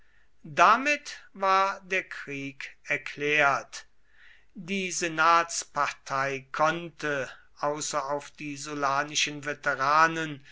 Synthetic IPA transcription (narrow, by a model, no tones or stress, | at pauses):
damɪtvaːɐdeːɐkʁ̥iːkɛɐklɛːɐt | diːzenaːtspatʰaɪkʰɔntʰə | ʔaʊsɐaʊfd̥iːzolaːnɪʃənvetɛʁaːnən